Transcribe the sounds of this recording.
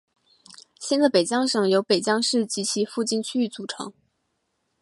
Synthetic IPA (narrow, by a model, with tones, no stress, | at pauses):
ɕɛ˥nd̪ə˨pe˨˩ɪt͡ɕjɑ˥ŋʂɤ˨˩ŋjo˧˥ʊpe˨˩ɪt͡ɕjɑ˥ŋʂɻ̩˥˩t͡ɕi˧˥t͡ɕʰi˧˥fu˥˧t͡ɕi˥˧nt͡ɕʰy˥y˥˩t͡su˨˩ʈ͡ʂʰɤ̰˧˥ŋ